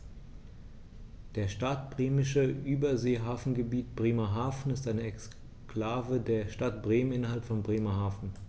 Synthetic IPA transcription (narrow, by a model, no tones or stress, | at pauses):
d̥eːɐʃtat̚b̥ʁeːmɪʃəʔyːbɐzeːɦaːfn̩ɡəbiːtb̥ʁeːmɐɦaːfn̩ɪstʔaɪnəɛks | klaːvədeːɐʃtatb̥ʁeːmənɪnɐhalpfɔnbʁeːmɐhaːfn̩